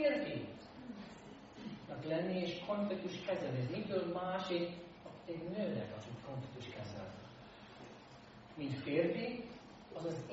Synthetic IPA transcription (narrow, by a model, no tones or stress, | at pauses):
rfi | nɒklɛnːieːʃkʰoɱflikt̪uʃkɛzɛneʒmikylmaːʃit̪ | ɒɛdnøːnɛ̰kɒ̰tit̪koɱfit̪ːuʃkɛzɛ̰l | mint̪feːrfi | ɒzɒz